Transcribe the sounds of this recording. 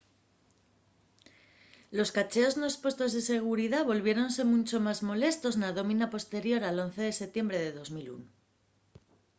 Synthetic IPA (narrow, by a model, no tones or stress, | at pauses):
lo̞skat͡ʃe̞o̞zno̞espwe̞st̪o̞zðese̞ɣ̞uɾiðaβo̞lβje̞ɾo̞nse̞mũnt͡ʃo̞mazmo̞le̞st̪o̞znaðo̞mĩnapost̪e̞ɾjo̞ɾalo̞n̟θe̞ð̞e̞se̞t̪je̞mbɾe̞ðe̞ðo̞zmilṵno